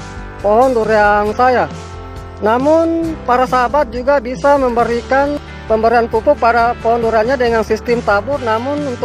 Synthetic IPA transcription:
pɔɦɔnduɾeansaja | namʊnpaɾasaɦabat̪̚d͡ʒuɡabisaməmbəɾikan | pəmbəɾianpupʊk̚padapɔɦɔnduɾeanɲadəŋansist̪ɪmt̪abʊrnamʊnunt̪

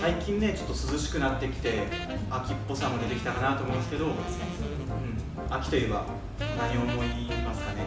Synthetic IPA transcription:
saikʲĩnːe̞t͡ɕo̞t̪ːosɨzɨɕi̥kɯ̟nat̪ːe̞kʲi̥t̪e̞ | akʲipːo̞sãmːo̞d̪e̞t̪ekʲi̥t̪akanat̪oːmõnsɨ̥ke̞d̪osne | ɯ̟̃ɴ | akʲi̥t̪o̞jɯ̟ːba̰ | naɲiomo̞iimasɨ̥kane

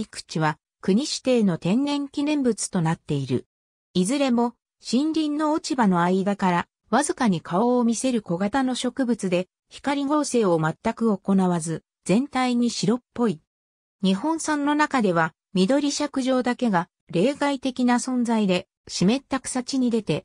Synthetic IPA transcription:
ikɯ̟̥t͡ɕiβa | kɯ̟ɲ̟iɕi̥t̪e̞ːno̞t̪ẽ̞nːẽ̞ŋkʲinẽ̞mbɯ̟t͡sɨ̥t̪o̞nat̪ːe̞iɾɯ̟̰ | izɨɾe̞mo̞ | ɕĩnɾʲĩnːo̞ːt͡ɕibano̞aid̪akaɾa | βazɨkaɲ̟ikʰao̞ːmʲise̞ɾɯ̟ko̞ɡat̪ano̞ɕo̞kɯ̟bɯ̟t͡sɨd̪e̞ | çi̥kaɾʲiɡo̞ːse̞ːo̞mat̪ːakɯ̟o̞ko̞naβazɨ | z̥ẽ̞nt̪aiɲ̟iɕiɾo̞pːo̞i | ɲ̟iɦõ̞ɰ̃sãnːo̞nakad̪e̞βa | mʲid̪o̞ɾʲiɕakɯ̟ʑo̞ːd̪ake̞ɡa | ɾe̞ːɡait̪e̞kʲinasõ̞nzaid̪e̞ | ɕime̞t̪ːakɯ̟̥sat͡ɕiɲ̟id̪e̞t̪e̞

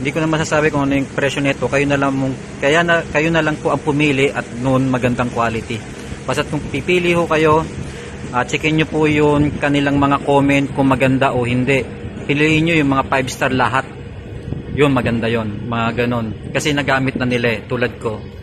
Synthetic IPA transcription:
hɪnd̪iːkonɐŋmɐsasaːbɪkʊŋɐnojʊŋpɾɛʃonɪt̪o̞kɐjonɐlɐŋmʊŋ | kɐjanɐkɐjonɐlɐŋpoʔɐŋpʊmiːlɪʔɐt̪̚nʊʔnmɐɡɐnd̪aŋkwaːlɪt̪i | basɐt̪̚kʊŋpipiːlɪhʊkɐjo̞ | ʔat͡ʃɪkɛɲːopʊjʊŋkɐnɪlaŋmɐŋakoːmɛnt̪̚kʊŋmɐɡɐnd̪aʔohɪnd̪ɛʔ | pɪliʔɪɲɲojʊŋmɐŋapajbst̪ɐɾlɐɦat̪̚ | jʊnmɐɡɐnd̪ajo̞nmɐŋaɡɐno̞nkɐsɛnɐɡaːmɪt̪̚nɐnɪlat̪uːlɐd̪̚ko̞

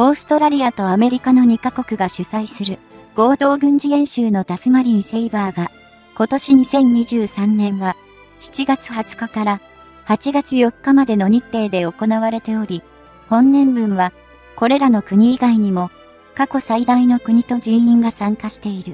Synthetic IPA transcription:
o̞ːsɨ̥t̪o̞ɾaɾʲiat̪o̞ame̞ɾʲikano̞ɲ̟ikako̞kɯ̟ɡaɕɨsaisɨɾɯ̟ɡ̥o̞ːd̪o̞ːɡɯ̟̃ɲ̟d͡ʑiẽ̞ɰ̃ɕɨːno̞t̪asɨmaɾʲĩse̞ibaːɡa | ko̞t̪o̞ɕiɲ̟isẽ̞ɲ̟ːiʑɨːsãnːẽ̞ɰ̃βa | çi̥t͡ɕiɡat͡sɨ̥hat͡sɨ̥kakaɾa | hat͡ɕiɡat͡sɨjo̞kːamad̪e̞no̞ɲ̟it̪ːe̞ːd̪e̞o̞ko̞naβaɾe̞t̪e̞o̞ɾʲi | hõ̞nːẽ̞mbɯ̟̃ɰ̃βa | ko̞ɾe̞ɾano̞kɯ̟ɲ̟iːɡaiɲ̟imo̞ | kako̞said̪aino̞kɯ̟ɲ̟it̪o̞d͡ʑĩɰĩŋɡasãŋkaɕi̥t̪e̞iɾɯ̟

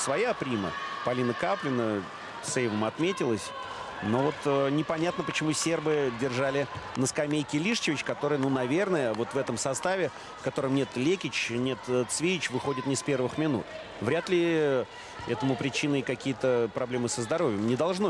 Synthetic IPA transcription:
svɐjapɾʲimə̰pɐlʲinəkaplʲɪnə | sejvəmɐt̪mʲetʲɪlˠəsʲ | no̞vo̞t̪ənʲɪpɐnʲat̪nəpət͡ɕɪmusʲerbɨdʲɪrʐalʲɪnəskɐmʲejkʲɪlʲiʂt͡ɕɪvʲɪt͡ɕkɐt̪o̞ɾɨjnunɐvʲe̞rnəjəvo̞t̪vɛt̪əmsɐst̪avʲɪ | fkɐt̪o̞ɾəmnʲe̞t̪lʲekʲɪt͡ɕnʲe̞t̪t̪svʲejɪt͡ɕvɨxo̞dʲɪt̪nʲɪspʲe̞rvɨxmʲɪnṵt̪ | vɾʲat̪lʲɪ | ɛ̰t̪əmʊpɾʲɪt͡ɕinɨkɐkʲijət̪əpɾɐblʲemɨsəzd̪ɐɾo̞vʲjəmnʲɪd̪ɐlˠʐno

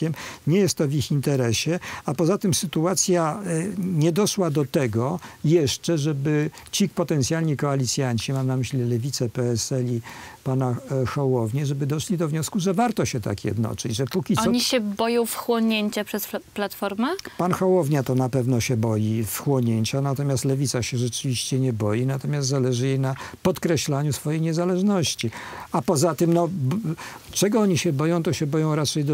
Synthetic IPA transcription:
ɛmɲɛjɛst̪ːɔvʲixint̪ɛɾɛɕɛapɔzat̪ɘmsɘt̪uat̪sʲja | ɲɛd̪ɔʂwad̪ɔt̪ɛɡɔjɛʂt͡ʂɛʐɛbɘt͡ɕikpɔt̪ɛnt̪sʲjalʲɲikɔalʲit̪sʲjaɲt͡ɕimamnamɘɕlʲilɛvʲit̪sɛpɛɛsɛlʲipanaxawɔvɲɛʐɛbɘd̪ɔʂlʲid̪ɔvɲɔskuʐɛvaɾt̪ɔɕɛt̪a̰kjɛ̰d̪nɔ̰t͡ʂɘd͡ʑʐɛpukʲit̪ɔsɔɲiɕɛbɔjɔ̃w̃fxwɔɲeɲt͡ɕapʂɛsplat̪fɔɾmɛpanxawɔvɲat̪ɔnapɛvnɔɕɛbɔjifxwɔɲeɲt͡ɕanat̪ɔmʲjast̪lɛvʲit̪saɕɛʐɛt͡ʂɘvʲiɕt͡ɕɛɲɛbɔjinat̪ɔmʲjast̪zalɛʐɘjejnapɔt̪kɾɛɕlaɲusfɔjejɲɛzalɛʐnɔɕt͡ɕiapɔzat̪ɘmnɔ | t͡ʂɛɡɔɔɲiɕɛbɔjɔ̃w̃t̪ɔɕɛbɔjɔ̃w̃ɾat͡ʂɛjd̪

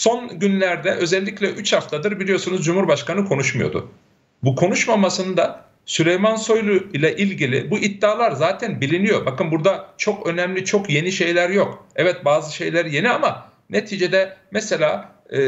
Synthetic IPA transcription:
so̞nɟynlʲæɾd̪ɛʔø̞zɛlʲːiclʲɛʔyt͡ʃhaft̪ʰad̪ɯɾbilʲijo̞sunuzd͡ʒumhuɾbaʃkanɯkʰo̞nuʃmujo̞̰d̪ṵ | bukʰo̞nuʃmamasɯnɯd̪a | sylʲejmanso̞jlʲˠujlʲɛʔilʲɟilʲḭbuʔit̪ːaːlˠaɾzaːt̪ʰænbilʲinijo̞bakɯnbuɾd̪at͡ʃʰo̞kø̞nɛmlʲit͡ʃʰo̞kje̞niʃe̞jlʲæɾjo̞kɛvɛt̪̚baːzɯʃe̞jlʲeɾije̞niama | net̪ʰiːd͡ʒe̞d̪ɛmɛse̞lʲaː

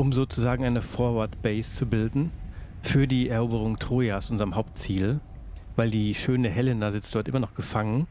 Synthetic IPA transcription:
ʔʊmzoːt͡suzaːɡŋ̩ʔaɪnəfoːɐvaɐtb̥ɛɪst͡subɪldn̩ | fyːɐdiːɛɐʔoːbəʁ̞ʊŋtʁ̥oːjasʔʊnzəʁəmɦaʊp̚tt͡siːl | vaɪldiːʃøːnəɦɛlɪnazɪt͡sd̥ɔɐtʔɪmɐnɔχɡ̥əfaŋən

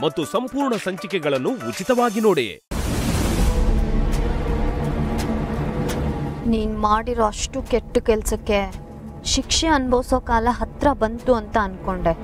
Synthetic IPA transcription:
mɐt̪ːusɐmpuːɾɳɐsɐɲt͡ʃikɛɡɐɭɐnːuːt͡ʃit̪ɐʋaːɡinoːɽḛ | niːnmaːɽiɾoːɐʂʈukeʈːukɛlsɐkːe̞ | ʃikʂeɐnbɐʋsoːkaːlɐɦɐt̪ɾɐbɐnt̪uɐnt̪ɐːnko̞ɳɖe

